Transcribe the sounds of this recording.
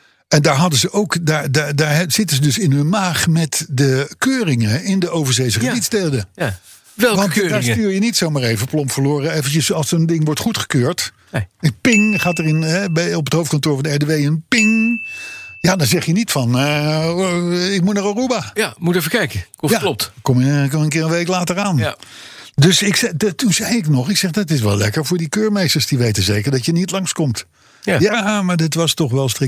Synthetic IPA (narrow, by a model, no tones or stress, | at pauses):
ɛndaːɹɦɑdəzəʔowkdaːɹdaːdaːɹɛz̥ɪtənzədɵsɪnɦɵnmaːχmɛtdəkøːrɪŋəɪndəowvəɹzejzəχəditstelˠdə | ʋɛlˠʋɑntːdaːɹstyːɹjənitsowmaːɹejvəplɔmfəɹloːrəejvənt͡ʃəsɑlˠsəndɪŋʋɔɹtχutχə̥køːɹt | əpɪŋχaːtərɪnɦɛbɛɔpətɦowft̚kɑntʊːɹvɑndəɛɹdeʋejənpɪŋ | jaːdɑnzɛχjənitfɑn | ɪk̚mutnarɔrubajamutɛfəkɛjkəjaːlɔp̚tkɔməkənkɪːɹənʋejklaːtəɹaːn | dɵsɪksɛtuzɛjɪknɔχɪksɛχdɑtɪs̬ʋɛ̰lɛ̰kəɹvʊːɹdikøːɹmejstəɹsd̥iʋejtənzejkəɹdɑtjənitlɑŋskɔmt | jamaːɹdɪtʋɑstɔχʋɛlˠstrɪ